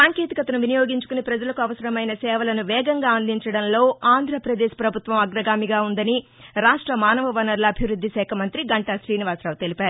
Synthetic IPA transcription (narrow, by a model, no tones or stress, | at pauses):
saːŋkeːt̪ikɐt̪ɐnuʋinɐjoːɡiɲt͡ʃu̥kunepɾɐd͡ʒɐlɐkuɐʋɐsɐɾɐmɐjnɐsɛːʋɐlɐnuʋɛːɡɐŋɡaːɐnliɲt͡ʃɐɽɐnlo̞ːaːnd̪ʱɾɐpɾɐd̪eːʃpɾɐbʱut̪ʋɐmɐɡɾɐɡaːmiɡaːund̪ɐni | ɾaːʂʈɾɐmaːnɐʋɐʋɐnɐɾlɐːbʱiʋɾud̪ʱːiʃɛːkʰɐmɐnt̪ɾiɡɐɳʈɐʃɾiːniʋaːsɾaːʋt̪e̞lipaːɾu